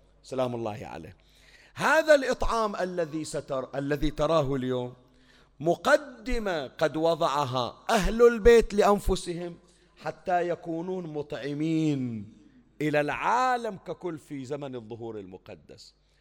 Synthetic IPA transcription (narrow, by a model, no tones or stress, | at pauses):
salaːmʊlˤːɑ̰ːhʕa̰lḛː | haːðalʔɨt̪ˤʕɑːmʔalːaðisaʔalːaðit̪ɑɾˤɑːɦʊljoːmː | ʊqɑd̪ːɪmaqɑd̪wɑðˤɑʕɦa̰ʔaɦlalbeːt̪lɪʔanfʊsɪhɪm | ħat̪ːajakuːnuːnmʊt̪ˤʕɪmiːn | ʔɪlalʕaːlamkakʊlːfizamanɨðˤːʊɦuːɾɪlmʊqɑ̰d̪ːa̰s